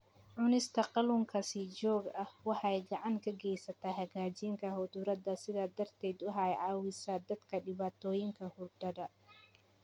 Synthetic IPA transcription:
ʕʊnɪst̪ʰɐqɑlʊŋkʰɐsiːd͡ʒɔːɡɐhwɑħɑjɡɑʕɑŋkʰɐɡɛjsɐt̪ʰaɦɐɣaːd͡ʒɪŋkʰɐɦʊd̪ʊɾɐd̪ɐsɪðaːd̪ɐrt̪ʰɛːd̪ʊɦaːjʕɑːwɪsaːd̪ɐd̪kʰɐɖɪβaːt̪ʰɔːjɪŋkʰɐhʊrd̪ɐdɐ

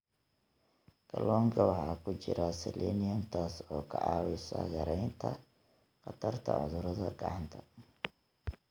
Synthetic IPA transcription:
ɡʰɐlɔːŋkʰɐwɑħaːkʰʊt͡ʃɪɾɐsɛlʔɛ̰ːnɪjɐnt̪ʰaːsɔːkʰɐʔɑːwɪsɐ̰ɣɐɾɛjnt̪ʰɐ̰ | qɑt̪ʰɐrt̪ʰɐ̰ʕʊðʊɾɐðɐɡɑʕɑnt̪ʰɐ

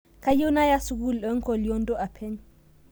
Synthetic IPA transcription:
kajiwnajasuɡulɗɔŋkɔljɔndɔapʰɛɲ

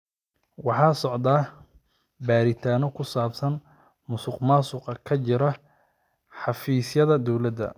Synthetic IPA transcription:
wɑħɑːsɔʕd̪aː | baːɾɪt̪ʰaːnɔkʰʊsaːbsɐn | mʊsʊqmaːsʊqɐkʰɐt͡ʃɪɾɐ | ħɑfiːsjɐðɐd̪ɔwlɐd̪ɐ̰

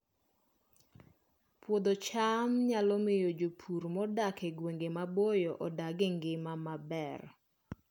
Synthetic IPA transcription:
pwod̪ot͡ʃamɲalɔmejod͡ʒopʰuɾmɔdakeɡweŋɡemabojɔʔɔdaɡeŋɡɪmamabɛr

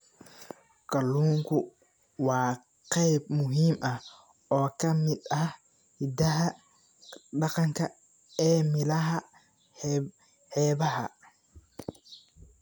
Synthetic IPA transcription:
kʰɐlːuːŋkʰʊ | wɑː | qɛjbmʊɦiːmʔɐh | ɔːkʰɐmɪd̪ɐh | hɪd̪ɐɦɐ | ɖɑqɑŋkʰɐ | ɛːmɪlɐɦɐ | hɛːβɐɦɐ̰

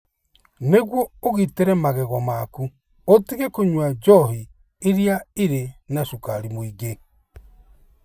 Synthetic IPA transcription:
neɣwɔoɣiteɾɛmaɣɛɣwɔmaku | otiɣekoɲwad͡ʒɔhi | eɾiaiɾenaʃukaɾimoiɡe

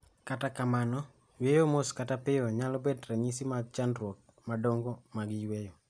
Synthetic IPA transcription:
katakamanɔ | wejomoskatapɪɔɲalɔbedɾaɲisimaɡt͡ʃandɾwok̚ | madoŋɡomaɡɪjwejɔ

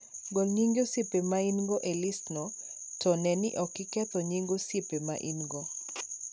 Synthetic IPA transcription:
ɡolɲiŋɡjosipemainɡoʔelisnɔ | tɔnɛnɪ̰ʔɔkɪkɛt̪ɔɲiŋɡosepema̰ʔinɡo

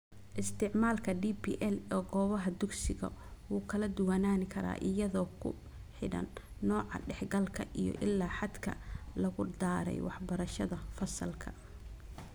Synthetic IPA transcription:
ʔɪst̪ʰɪʕmaːlkʰɐɖiːpḭːʔɛlɔːɡɔːβɐɦɐd̪ʊɡsɪɣɐ̰wuːkʰɐlɐd̪ʊwanaːnkʰɐɾa̰ːʔɪjɐðɔːkʰʊ̰ | ħɪɽɐ̰nːɔːʕɑ̰ɖɛħɡɐlkʰɐʔijɔ̰ʔɪlːaːħɑd̪kʰɐ̰lɐɣʊd̪aːɾɛ̰jwɑħbɐɾɐʃɐðɐfɐsɐlkʰɐ̰

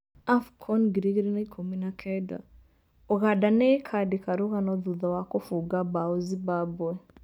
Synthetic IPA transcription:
afkʰɔnɡiɾiɣiɾinaikʰominakʰɛda̰ | oɣadanekʰadikʰaɾuɣanɔðuðɔwakofuɡabaozibabwɛ

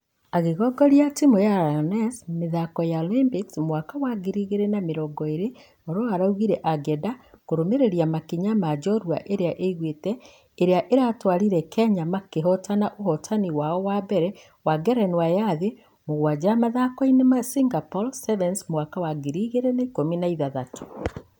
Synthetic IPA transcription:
aɣeɣɔɡɔɾjatimojanɛsmeðakɔjaolimpiksmwakawaɡiɾiɣeɾenameɾɔɡɔeɾe | oɾoɔaɾauɣiɾɛʔaɡɛdakoɾomeɾeɾjamakiɲamad͡ʒɔɾwa̰ʔeɾeaʔeɣwetɛː | ɾeaʔeɾatwaɾiɾɛkʰɛɲamakeɦɔtanaʔoɦɔtʰaniwaɔwabɛɾɛ | waɡɛɾɛnwajaðe | moɣwad͡ʒamaðakɔinemasiŋɡapɔlsɛβɛnsmwakawaɡiɾiɣeɾenaikominaiðaðatʰo̥

